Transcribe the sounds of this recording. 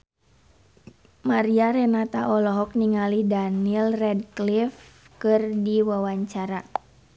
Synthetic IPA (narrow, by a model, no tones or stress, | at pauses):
maɾiaɾɛnat̪aʔɔlɔɦɔk̚niŋalidanilrɛdklif | kɨrdiwawaɲt͡ʃaɾa